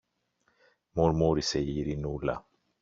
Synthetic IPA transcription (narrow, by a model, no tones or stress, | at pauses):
muɾmuɾisejiɾinula̰